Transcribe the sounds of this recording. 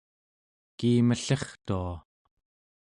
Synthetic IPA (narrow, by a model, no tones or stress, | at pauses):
kiːməɬeχt̪ua